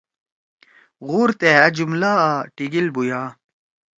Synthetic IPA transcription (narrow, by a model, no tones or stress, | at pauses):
ɣuɾt̪eɐd͡ʑumlaːʈiɡilbujaː